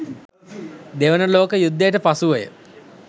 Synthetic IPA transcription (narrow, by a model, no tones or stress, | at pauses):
d̪eʋənəloːkəjud̪ːəjʈəpasuʋəjə̰